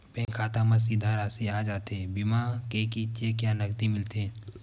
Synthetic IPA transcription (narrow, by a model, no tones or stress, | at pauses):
pẽːŋkʰaːt̪ãməs̬id̪ʱaːɾaːsiaːd͡ʒaːt̪ebimakekit͡ʃeːkjanɐk̚d̪imɪlt̪eː